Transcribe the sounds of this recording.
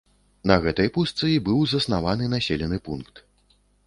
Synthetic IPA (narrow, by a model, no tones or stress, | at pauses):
nɐɣɛt̪ɐjpust̪sɨibɨwzɐsnavan̪ɨnasʲelʲɛnɨpunkt̪